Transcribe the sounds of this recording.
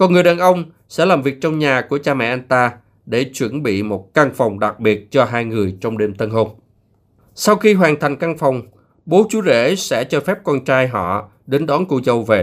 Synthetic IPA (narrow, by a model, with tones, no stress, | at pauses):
kɔ˨˩nŋɨ˨˩əjɗaː˨˩nʔə˧wŋ͡m | sɛ̰˧˥laː˨˩mvi˨˩ək̚t͡ɕɔ˧wŋ͡mɲaː˨˩ku˧˩ət͡ɕaː˧mɛ̰˧˨ʔa˧jŋt̪aː˧ | ɗe˧˩t͡ɕwə˧˩nɓḭ˧˨mo˨˩t̚ka˧ŋfa˨˩wŋ͡mɗa˨˩k̚ɓi˨˩ət̚t͡ɕɔ˧ɦaː˧jŋɨ˨˩əjt͡ɕɔ˧wŋ͡mɗe˧mt̪ə˧nɦo˧n | sa˧wxi˧ɦwaː˨˩ŋt̪ʰa˨˩jŋ̟ka˧ŋfa˨˩wŋ͡m | ɓo˨˦t͡ɕu˨˦zḛ˧˥sɛ̰˧˥t͡ɕɔ˧fɛ˦˥p̚kɔ˧nt͡ɕaː˧jɦɔ̰˧˨ | ɗe˨˦nɗɔ˨˦nkṵ˧˩zə˨˩wve˨˩